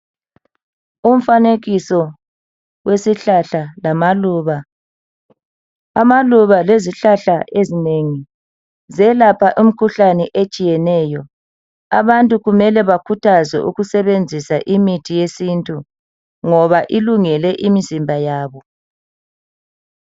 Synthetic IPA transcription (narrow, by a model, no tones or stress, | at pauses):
um̩faneɣisɔ | wesiɬaɬalamaluːβa | amaluβaleziɬaɬaezineŋi | zɛlapʰaʔum̩kʰuɬanɛʔet͡ʃʼijɛnɛːjɔ | aβantʼuɣumɛlɛβakʰutʰazɛ̰ʔṵɣusɛβend͡zʱisaʔimitʰijesintʼu | ŋɔβaʔiluŋɛlɛʔimizimbʱajaːβɔ